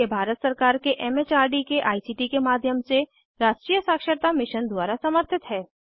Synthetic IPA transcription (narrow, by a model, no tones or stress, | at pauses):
ebʱaːɾət̪sɐɾkaːɾkeʔɛːmeːt͡ʃaːɾɖikeʔaːisiːʈikemaːd̪ʱjəmse | ɾaːʃʈɾijəsaːkʃəɾt̪amɪʃənd̪waːɾasəməɾt̪ʰɪt̪ɦɛː